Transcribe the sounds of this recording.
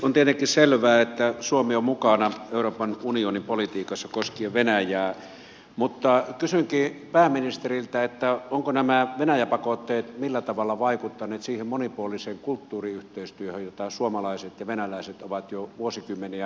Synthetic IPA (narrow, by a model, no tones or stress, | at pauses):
ont̪iet̪eŋkːˑisselʋæːet̪ːæsuomeommukɑnɑeˑuroːpɑnunionimpolit̪iːkɑsːɑkoskieʋʋenæjæː | mut̪ːɑkysyŋkiːpæːminist̪erilt̪æet̪ːæoŋkonæmæʋenæjæpɑkot̪ːeːt̪milːæt̪ɑʋɑlːɑʋɑikut̪ːɑnˑeːt̪siːhemmonipuoliseːŋkult̪ːuːriyht̪eˑist̪yøhøjjot̪ɑsuomɑlɑˑiset̪jɑʋenælæˑiset̪oʋɑt̪joʋuosikymːeniæ